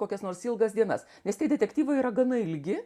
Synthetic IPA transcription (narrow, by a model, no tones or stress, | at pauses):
koːkʲɛsnoːrsɪlˠɡɐsd̪ʲiɛnɐ̰s | nʲɛst̪ʲɛɪd̪ʲɛt̪ʲɛkt̪ʲiːʋɐiːɾɐɡɐnɐɪlʲɡʲɪ